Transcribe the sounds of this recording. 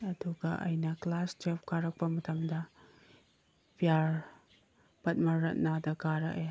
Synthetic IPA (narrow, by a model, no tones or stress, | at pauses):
ɐduɡɐʔɐ̰jnɐklasd͡ʒep̚kaɾɐk̚pɐmɐtʰɐmdɐ | pijaɾ | pɐt̚mɐɾɐt̚nadɐɡaɾɐkja